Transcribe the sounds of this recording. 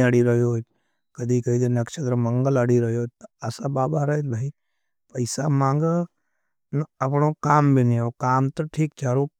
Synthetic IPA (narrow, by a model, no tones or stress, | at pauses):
əɽiɾɐɦjoo | kɐd̪ikəid̪enɐkʃət̪ɾəmɐ̃ŋɡələɽiɾɐɦjoot̪əɐsabaːbʱaɾəit̪bʱai | pəɪsamãːŋɡə | nɐpɳokaːmbʱiniokaːmt̪oʈʰiːkt͡ʃaːɾo